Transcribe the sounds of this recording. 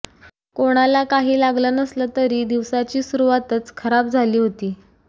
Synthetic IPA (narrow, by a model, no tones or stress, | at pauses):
koɽ̃alakaɦiːlaɡlənəslət̪əɾiːd̪iʋsat͡ɕiːsuɾuʋat̪ət͡skʰəɾap̚d͡zʱaliːɦot̪iː